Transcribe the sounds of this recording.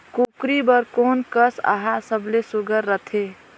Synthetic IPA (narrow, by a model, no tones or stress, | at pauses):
kukɾibəɾkoːnkəsa̰ɦasəblesuɡəɾːət̪ʰe